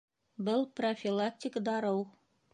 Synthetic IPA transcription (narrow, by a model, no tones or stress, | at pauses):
bɤlˠprofʲilˠak̚tʲikd̪ɑɾɤw